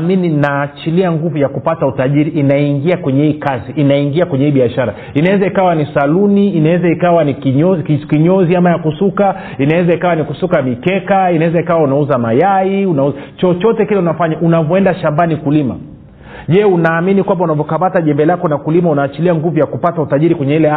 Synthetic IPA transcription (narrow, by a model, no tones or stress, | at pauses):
mininaːt͡ʃiliaŋɡuvujakupatautaʄiɾiʔːnaiŋɡiakwɛɲɛhiːkaziʔːnaiŋɡiakwɛɲɛhiːɓiaʃaɾa | inawɛzaikawanisaluniːnawɛzaikawanikɲɔkiɲɔziamajakusuka | inawɛzaikawanikusukamikɛkainawɛzaikawaunauzamajaiunauzt͡ʃɔt͡ʃɔtɛkilɛunafaɲaʔunavɔɛndaʃambanikulima̰ | ʄɛunaːminikwambaunavɔkamataʄɛmbɛlakɔnakulimaunawat͡ʃiliaŋɡuvujakupatautaʄiɾikwɛɲɛilɛa